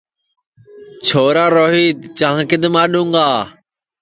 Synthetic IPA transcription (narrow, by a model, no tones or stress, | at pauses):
t͡ʃʰoːɾaːɾoːɦiːd̪t͡ʃãːɦkɪd̪maːɗũːŋɡaː